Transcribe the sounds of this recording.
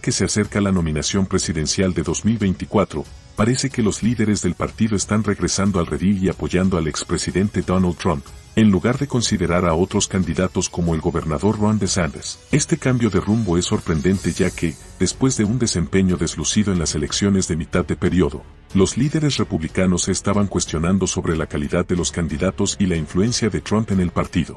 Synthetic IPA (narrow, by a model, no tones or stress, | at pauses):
ke̞sease̞ɾkalano̞mĩnasjo̞mpɾe̞siðe̞nsjald̪e̞ðo̞zmilβe̞jnt̪ikwat̪ɾo̞̰ | paɾe̞se̞ke̞lo̞zliðe̞ɾe̞zðe̞lpaɾt̪iðo̞est̪anreɣɾe̞sand̪oalre̞ðiiapo̞ʝand̪o̞alekspɾesiðe̞nt̪e̞d̪onald̪t̪ɾampe̞nluɣaɾðe̞ko̞nsiðe̞ɾaɾao̞t̪ɾo̞skand̪iðat̪o̞sko̞mo̞e̞lɡo̞βe̞ɾnaðo̞ɾrwand̪esand̪eɾse̞st̪e̞kambjo̞ðerumbo̞e̞sːo̞ɾpɾe̞nd̪e̞nt̪e̞ʝake̞ | ðe̞spwe̞zðe̞und̪e̞se̞mpe̞ɲo̞ðe̞zlusiðo̞e̞nlase̞le̞ksjo̞ne̞zðe̞mit̪aðːe̞pe̞ɾjo̞ðo̞̰ | lo̞zliðe̞ɾe̞s̬re̞puβlikano̞se̞ːst̪aβaŋkwe̞st̪jo̞nãnd̪o̞so̞βɾe̞lakaliðaðːe̞lo̞skand̪iðat̪o̞silaiɱflue̞nsjaðe̞t̪ɾampe̞ne̞lpaɾt̪iðo